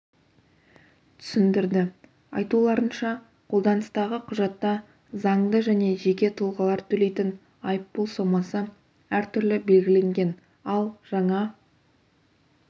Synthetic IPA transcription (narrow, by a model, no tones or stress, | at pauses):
t̪ʰʏ̥sɪnd̪ɪɾd̪ɪ | ɑjt̪ulˠɑɾənʃɑ | qʰo̞lˠd̪ɑnəst̪ɑʁəqʰʊʒɑt̪ːɑ | zɑɴd̪əʒæne̞ʒe̞kʲe̞t̪ʰʊlˠʁɑlˠɑɾt̪ʰɵle̞jt̪ɪn | ɑjəpːolˠso̞mɑsə | æɾt̪ʰʏɾlɪbe̞lɡʲɪle̞ŋɡʲe̞n | ɑlˠʒ̥ɑɴɑ